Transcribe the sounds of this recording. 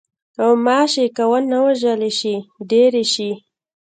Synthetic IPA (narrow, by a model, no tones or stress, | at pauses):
awmɑʃekawəlnawaʒəleʃiɖeɾeʃi